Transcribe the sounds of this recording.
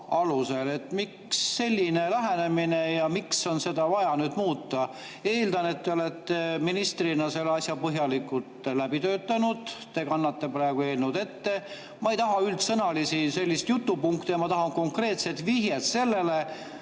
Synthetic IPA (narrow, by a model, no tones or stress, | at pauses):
ɑluse̞le̞t̪ːmiksːe̞lʲːine̞læɦenemine̞jɑmikso̞nse̞d̪ɑvɑjɑnyːd̪̥muːt̪ːˑɑ | eːld̪ɑne̞t̪ːeo̞let̪ːeminist̪rinɑse̞lːeɑsʲjɑpɤɦjɑlikːult̪ˑlæbit̪ø̞ːt̪ːˑɑnud̪̥t̪e̞kɑnːɑt̪ːepɾæeɡ̥ue̞ːlnud̪̥e̞t̪ːe̞ | mɑejt̪ɑɦɑylt̪sɤnɑlisise̞lʲːist̪jut̪ːupuŋkt̪ijɑmɑt̪ɑɦɑŋko̞ŋkre̞ːt̪se̞t̪viɦjet̪se̞lːe̞le